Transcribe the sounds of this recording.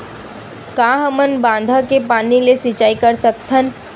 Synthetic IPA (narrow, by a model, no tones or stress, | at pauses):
kãːɦəmənbãːnd̪ʱakepaːnilesɪt͡ʃaːikəɾsək̚t̪ʰən